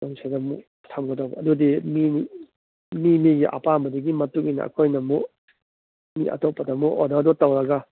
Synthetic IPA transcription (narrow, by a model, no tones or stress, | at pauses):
oŋsʰadɐmṵ | tʰamɡɐdawbɐɐdudimi | mimiɡiʔa̰pambɐdɐɡimɐtuŋinɐ̰ɐ̰kʰojnɐmu | miʔɐ̰topːɐdɐmuʔodadɔtɐwɾɐɡa